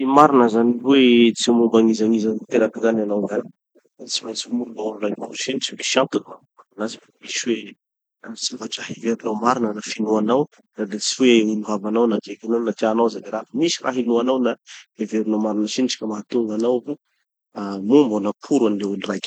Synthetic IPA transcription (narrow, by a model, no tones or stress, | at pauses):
imaɾinəzaniwet͡simumbaŋizaŋizant̪eɾakizananawzani | at͡si̥majnt͡simulubaululajniuʃent͡sii̥ʃjat̪unamananazifamiswe | siavaʈ͡ʂaɦeveɾnawmaɾinənafinuanaw | rad̪et͡siweuluɦavanawnakekʲanawnat̪anawzaniɾafəmisirʔa̰ɦinuanawnaeveɾinawmaɾinəʃiniʈ͡ʂi̥kəmaɦat̪uŋɡanawvu | mumbanapʰuɾanileulirajkʲ